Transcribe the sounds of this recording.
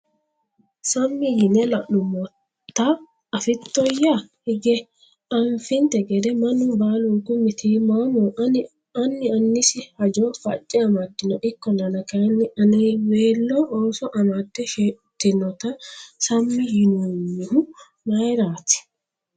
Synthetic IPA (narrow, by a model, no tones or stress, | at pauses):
sɐmːɪjɪnɛlɐʔʊmɔ | t̪ːɐ | ɐfɪt̪ːɔjahɪɡɛ | ɐɱfɪnt̪ɛɡɛd̪ɛmɐnʊbaːlukʊmɪt̪iːmamɔːʔ | ɐnːɪɐnːɪsɪhɐd͡ʒɔfɐ̰t͡ʃʼːɪɐmɐt̪ːɪnɔʔɪkːɔnɐnɐkɐnːɪʔɐnɛjweːlːɔʔoːsɔʔɐmad̪ːɛʃet̪ːɪnɔt̪ɐsɐmːɪjɪnunːɪhʊ | mɐjɾaːt̪ɪ̥